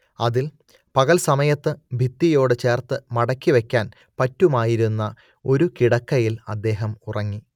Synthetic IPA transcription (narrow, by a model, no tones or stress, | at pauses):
ɐðil | pɐɣɐlsɐmɐjɐt̪ːɨbʱit̪ːijo̞ːɽɨt͡ɕe̞ːrt̪ɨmɐɽɐkːiʋe̞kʲːaːn | pɐtːumaːjiɾunːɐ | o̞ɾukiɽɐkːɐjilɐ̰d̪ːe̞ːɦɐmurɐŋːi